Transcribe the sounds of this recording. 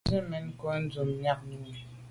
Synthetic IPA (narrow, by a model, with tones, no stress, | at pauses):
ze˦mɛ˨˦n˦kɔ˦n̩˦d͡zo˨mɲa˦k̚nu˦˨